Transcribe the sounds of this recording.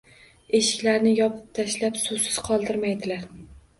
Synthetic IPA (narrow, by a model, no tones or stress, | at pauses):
eʃɪ̥kʲlaɾnɪjɒpʰɨ̥p̚t̪ʰaʃlapsʊsɪ̥z̥qʰɒlˠd̪ɪɾmajd̪ɪlaɾ